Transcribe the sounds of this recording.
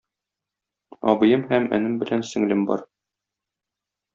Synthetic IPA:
ɒbɤ̆jɤmhæmæ̰nɘmbɘ̆lænsɘ̆ŋlɘmbɒ̰ɾ

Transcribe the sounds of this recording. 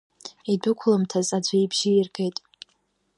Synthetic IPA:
idʊkʷʰlamtʰazad͡ʒʷaibʒɪirɡe̞jtʼ

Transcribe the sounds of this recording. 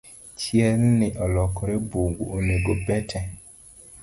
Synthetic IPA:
t͡ʃjɛlnɪʔɔlɔkɔɾeboŋɡuoneɡobɛtʰɛ

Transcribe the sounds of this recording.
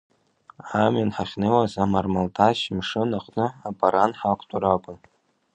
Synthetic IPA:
aminħaχʲnɨwazamarmaltʰaʃmʂɨnaχʷʼnɨapʼaɾanħakʷʰtʼuɾakʷʼʊn

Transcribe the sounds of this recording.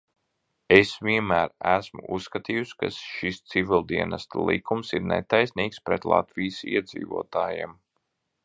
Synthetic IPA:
esviɛnmæːɾæsmṵʔusːkat̪iːjuska̰sʃist̪sivʲilˠd̪iɛnast̪lˠḭkʰumsiɾnɛ̰t̪ajsniːkspɾɛt̪lˠa̰t̪vijsḭɛd̪zḭːvuɔt̪aːjɛ̰m

